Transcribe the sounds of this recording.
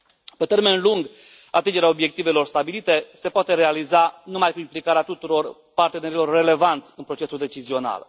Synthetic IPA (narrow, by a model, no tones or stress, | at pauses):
pe̞t̪e̞rme̞nluŋɡ | at̪ind͡ʒeɾaobje̞k̚t̪ive̞lo̞rst̪abilit̪e̞se̞poat̪e̞ɾe̞alizanumajkuimplikaɾeat̪ut̪uɾo̞r | part̪e̞ne̞ɾilo̞rːe̞le̞vant̪sʲɨnpɾo̞t͡ʃe̞suld̪e̞t͡ʃizio̞na̰l